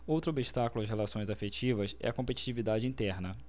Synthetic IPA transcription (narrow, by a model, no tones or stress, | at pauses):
owt̪ɾʊobiʃt̪akulʊɐshelasõj̃zafet͡ʃivɐsɛ̰ɐkõpet͡ʃi̥t͡ʃivid̪ad͡ʒɪĩnt̪ɛɾnɐ